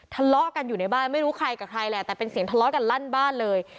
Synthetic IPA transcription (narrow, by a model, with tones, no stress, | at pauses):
t̪ʰa˧lɔ˦˥ʔka˧njuː˨˩na˧jbaː˥˩nma˥˩jɾuː˦˥kʰɾa˧jkaː˨˩kʰɾa˧jlɛ˨˩t̪ɛː˨˩pe˧nsi˨˩˦ŋt̪ʰlɔ˦˥ka˧nla˥˩nbaː˥˩nlɤː˧j